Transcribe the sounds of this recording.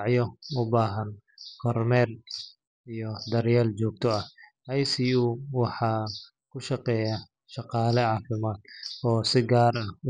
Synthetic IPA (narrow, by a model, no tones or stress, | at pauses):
ʕjɔʊbaːɦɐnkʰɔrmɛːr | ijɔd̪ɐɾjɛːlt͡ʃɔːɡ̚t̪ʰɔɐhhɐjsijuwɑħɑː | kʰʊʃɑqɛːja | ʃɑqɑːlɛʕɑːfɪmaːd̪ɔːsɪɡaːɾɐ